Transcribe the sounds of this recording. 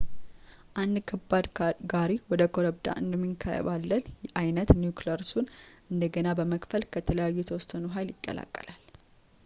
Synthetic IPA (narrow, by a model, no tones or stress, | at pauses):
ʔand̪kʰəbad̪ɡaɾiwɔd̪əkʰoɾəbd̪a̰ʔɨnd̪əmːiŋkʰaɾə̰βalːənʔajnət̪njukləɾsunʔɨnd̪əɡənabəməkʼfəlkʰət̪ʰələjajːɛɛt̪ʰəwɔst̪ənuɦajljɪkʼːə̰la̰kʼːəlal